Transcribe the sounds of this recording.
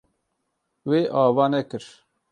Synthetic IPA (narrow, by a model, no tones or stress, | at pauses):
weːʔɑːvɑːnɛkɨɾ